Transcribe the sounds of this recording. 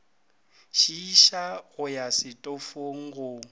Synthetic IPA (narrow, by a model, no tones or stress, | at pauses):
ʃiːʃaɣʊjasɪtʼofoŋ̩ɣʊ